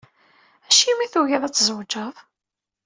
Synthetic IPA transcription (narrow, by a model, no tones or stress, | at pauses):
æʃimiθujæðˤæt͡sːzəwd͡ʒəðˤ